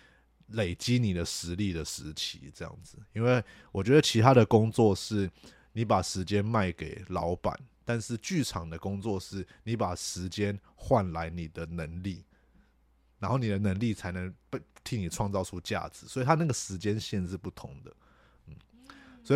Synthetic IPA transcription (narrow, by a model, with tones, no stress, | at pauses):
le˨˩ɪt͡ɕi˦ni˨˩d̪ə˦ʂɻ̩˧˥li˥˨˩d̪ə˩ʂɻ̩˧˥t͡ɕʰḭ˧˥ʈ͡ʂɤ˥˧jɑ̰˥˩ŋd͡zɹ̩˩i˥nwe˥˩ɪwɔ˨˩t͡ɕɥɛ˧˥d̪ə˨t͡ɕʰi˧˥t̪ʰa˥ɾə˨kʊ˥ŋt͡swɔ˥˧ʂɻ̩˥˩ | ni˧˥pa˨˩ʂɻ̩˧˥t͡ɕjɛ˦nma˥˩ɪke˨˩ɪlɑ˧˦˥ʊpa̰˨˩˦nt̪a˥˧nʂɻ̩˥˧t͡ɕy˥˩ʈ͡ʂʰɑ˨˩ŋd̪ə˦kʊ˥ŋt͡swɔ˥˧ʂɻ̩˥˩ni˧˥pa˨˩ʂɻ̩˧˥t͡ɕjɛ˦n | xwa˥˨nla˧˥ɪni˨˩d̪ə˦nə˧˦ŋli˥˩ | na˧˥nxo˥˩ʊni˨˩d̪ə˦nə˧˥ŋli˥˨t͡sʰa˧˥ɪnə˧˦ŋpɪt̪ʰi˧˥ŋni˨˩ʈ͡ʂʰwɑ˥˧ŋt͡sɑ˥˧ʊʈ͡ʂʰu˦t͡ɕja̰˥˩d͡zɹ̩˨˩swɔ˧˥i˨˩t̪ʰa˥na˥˩ɡə˩ʂɻ̩˧˥t͡ɕjɛ˦nɕjɛ˥˧nʂɻ̩˥˧pu˥˩t̪ʰʊ˧˦ŋd̪ə˨ | n̩˥˩swɔ˧˥i˨